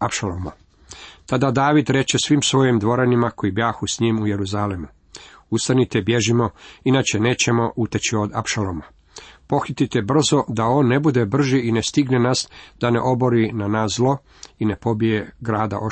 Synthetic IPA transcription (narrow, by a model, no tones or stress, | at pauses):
apʃaloma | t̪ad̪ad̪aːʋid̪ɾe̞t͡ʃe̞sʋimsʋo̞jimd̪ʋo̞ɾanimakojibjaːxusɲiːmuje̞ɾuzalemu | ust̪anit̪ebje̞ʒimo̞inaːt͡ɕe̞ne̞ːt͡ɕe̞mo̞ʔut̪et͡ɕio̞d̪a̰pʃaloma | po̞xit̪it̪e̞br̩zo̞d̪ao̞ːnːe̞bud̪ebr̩ʒiːnest̪iɡnenasd̪̥ane̞̰ʔo̞bo̞ɾinanaːszlˠo̞ | ine̞po̞bije̞ɡɾaːd̪a̰ʔo